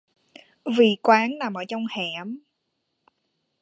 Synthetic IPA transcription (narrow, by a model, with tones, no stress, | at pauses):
vi˧˩kwaː˨˦ŋnaː˨˩mʔəː˧˩˦t͡ɕɔ˧wŋ͡mhɛ˧˩m